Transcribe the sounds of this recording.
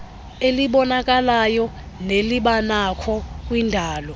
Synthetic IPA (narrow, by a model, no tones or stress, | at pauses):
eliɓɔnak̬ʼalajɔ | neliɓanakʰɔk̬ʼwindʱaːlɔ